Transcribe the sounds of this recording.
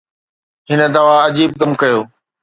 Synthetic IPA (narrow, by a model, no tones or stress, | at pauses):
ɦɪnə̆d̪ɐʋaɐd͡ʑiːb̚ɡɐmkɐjoː